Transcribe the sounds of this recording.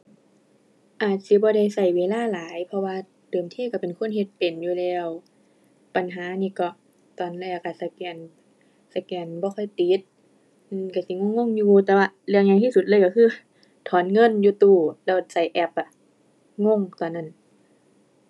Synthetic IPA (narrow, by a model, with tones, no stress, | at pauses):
ʔaː˨˩t̪̚si˧˦bɔː˧˦ɾa˧˩jsa˧˩jweː˧˦laː˧˥˨laː˨˦jpʰɔ˧waː˧ | dɤː˨˩mt̪ʰiː˧˥˨ka˧˩pe˨nkʰo˧˥˨nhe˧˦t̪̚pe˨˩njuː˧lɛː˧w | pa˨nɦaː˨˦niː˧˨kɔ˧˩ | t̪ɔː˨˩nlɛ˧˨ka˧˩sa˧˩kɛː˧˩n | sa˧˩kɛː˧˩nbɔː˧˦xʰɔ˧˥˨jt̪i˨˦t̪̚ | nː˧ka˧˩si˧˦ŋo˧˨ŋːo˧˥˨ŋjuː˧t̪ɛː˧˦waː˧˩li˧˨ŋɲa˧ŋt̪ʰiː˧su˧˩t̪̚lɤː˧˨jka˧˩kʰɯː˧˥˨ | t̪ʰɔː˨˦nŋɤ˧˥˨njuː˧˦t̪uː˧˩lɛː˧˩wsa˧˩jʔɛ˧˩p̚ʔa˧˨ | ŋo˧˥˨ŋt̪ɔː˨˩nːa˧˥˩n